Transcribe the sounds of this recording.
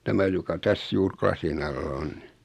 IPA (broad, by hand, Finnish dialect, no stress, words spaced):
tæmæ jokɑ tæs juːr klɑsin ɑlːɑ on ni